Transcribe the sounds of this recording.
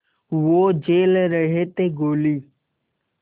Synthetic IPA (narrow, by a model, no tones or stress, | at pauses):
ʋoːd͡ʒeːlɾəɦeːt̪eːɡoːliː